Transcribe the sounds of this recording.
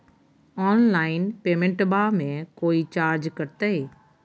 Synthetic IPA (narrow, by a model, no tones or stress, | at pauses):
ɔːnlaːɪnpeːmẽɳʈbaːmẽkoːit͡ʃaːɾd͡ʒkəɾt̪əeː